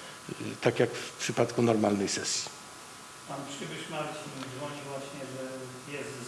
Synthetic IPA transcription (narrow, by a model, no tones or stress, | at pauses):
t̪akʲjakfpʂɘpat̪kunɔɾmalnɛjsɛsʲji | panpʂɨbɘʂmalt͡ɕimd̪vɔɲivwaɕɲɛʐɛ | jɛs